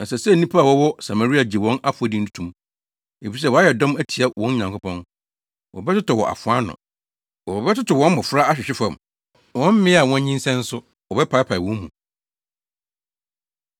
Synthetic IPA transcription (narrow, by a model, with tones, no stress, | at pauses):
na˨sɛ˨sɛ˦nĩ˦pʰa˦a˨wɔ˦wɔ˦sa˨ma˨ɾi˦a˨d͡ʑi˨wɔ̃˦na˦fʊ˨a˨di˦n̩˦tʰu̥˦tʰũ˨m | e˨fi˨i˨s̬ɛ˦˨wɔ˨a˦jɛ˨dɔ̃˦mæ˦tʰi˨a˦wɔ̃˦n˦ɲã˨ŋkʰʊ˦pʰɔ̃˦n | wɔ̰˨bɛ˦tɪ˦tʊ˨wɔ̰˨ʔa̰˨fʊ˨a˦nʊ̰̃˨ | wɔ˨ɔ˨bɛ˦tɪ˦tɔ˨wɔ̃˦m˦mʊ˨fʊ˦ɾa˦a˦ɕᶣɪ˨ɕᶣɪ˦fã˨m | wɔ̃˦m̩˦mɪ̃˦a˨wɔ̃˦n˦ɲĩ˦n˦sɛ̃˦n̩˦sʊ˦ | wɔ˨bɛ˦pʰa˨˦pʰa˨i˨wɔ̃˨˦mː˦ũ˨